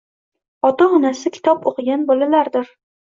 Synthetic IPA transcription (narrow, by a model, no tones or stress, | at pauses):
ɒt̪ahʊnasɪkʲʰɪ̥t̪ʰɒpoqʰɨɡʲanbɒlalaɾd̪ɪɾ